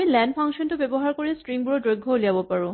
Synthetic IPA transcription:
ilɛndpʰaŋʃɔntʊbebɔɦaɹkoɹistɹiŋbuɹɔdojɡʱːɔliabɔpaɹũ

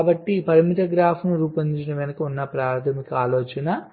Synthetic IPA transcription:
bɐʈːipɐɾimit̪ɐɡɾaːpʰnuɾuːpɐnt͡ʃinɐʋinɐkɐunːɐpɾaːɾt̪ʰɐmikɐaːlɔːt͡ʃɐnɐ

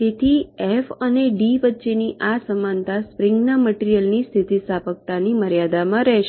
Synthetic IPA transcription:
t̪et̪ʰiɛfəneɖiʋətːʃeniʔasəmant̪aspɾɪŋɡnaməʈiɾijəlnist̪ʰit̪isapək̚t̪animəɾjad̪amãɾɛɦʃ

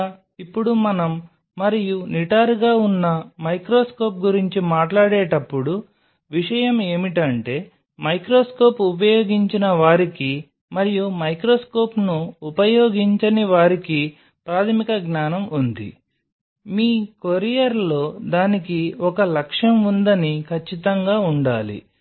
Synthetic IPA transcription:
ipːuɽumɐnɐmː | ɐɾijuniʈaːɾɡaːunːɐmɐjkɾoːsko̞ːp̚ɡuɾiɲt͡ʃimaːʈlaːɽeːʈɐpːuɽu | ʋiʂɐjɐme̞ːmiʈɐɳʈe̞ː | mɐjkɾoːsko̞ːpupɐjoːɡiɲt͡ʃinɐʋaːɾiki | mɐɾijumɐjkɾoːsko̞ːpnuːpɐjo̞ːɡiɲt͡ʃɐniʋaːɾiki | pɾaːt̪ʰɐmikɐɡnaːnɐmund̪ḭ | miːkoɾijɐɾlo̞ːd̪aːnikiɔkɐlɐkʂɐmund̪ɐnikʰɐt͡ʃːit̪ɐŋɡaːuɳɖaːlḭ

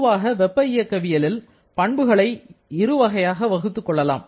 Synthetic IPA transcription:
ʋaːɣɐʋɛpːɐɪjɐkːɐʋɪjɐlɪl | pɐɳbɯɣɐɭɐɪɪɾɯʋɐɣɐjaːɣɐʋɐɣɯt̪ːɯkːɔɭːɐla̰ːm

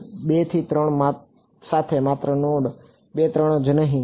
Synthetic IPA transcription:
ɓet̪ʰit̪ɾəɳ̃ma | sat̪ʰemat̪ɾənoɽ | ɓet̪ɾəɳ̃od͡ʒənəɦĩ

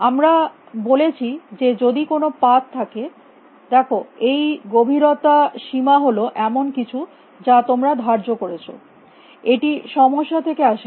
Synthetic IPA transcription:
amɾa | bolet͡ɕʰid͡ʑed͡ʑod̪ikonopat̪t̪ʰːake | d̪ɛkʰoejɡobʱiɾot̪aʃimaɦoloʔɛmonkit͡ɕʰu | d͡ʑat̪omɾad̪ʱaɾd͡ʑokoɾet͡ɕʰo̰ | eʈiʃɔmoʃːat̪ʰekeaʃe

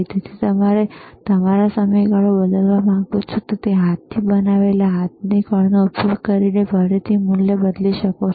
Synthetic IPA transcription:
t̪et̪ʰit̪əmaɾet̪əmaɾasəməjɡaɭobəd̪əlʋamãŋɡut͡ʃʰet̪ot̪eɦat̪ʰːiːbənaʋeljaɦat̪̚nikəɭnoupsukəɾinebʱəɽet̪ʰimuljəbəd̪liʃəko

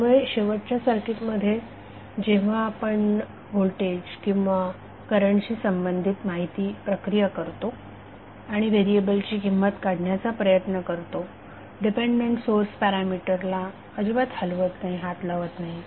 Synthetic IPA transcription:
ʋəɭeɕeʋəʈ̚t͡ɕjasəɾkit̪məd̪ʱːje | d͡ʑeʋ̤aːpəɳ | ɦolʈed͡ʑkĩw̃ʋa | kəɾəɳɕiːsəmbənd̪ʱit̪maɦit̪iːpɾəkɾijakəɾt̪o | aɽ̃iʋeɾiebəlt͡ɕiːkimːət̪kaɽ̤ʱɳjat͡sapɾəjət̪nəkəɾt̪o | ɖipeɳɖmeɳʈsoɾspɛɾamiʈəɾla | əd͡ʑuʋat̪ʰəlʋət̪naɦiɦat̪laʋət̪naɦi

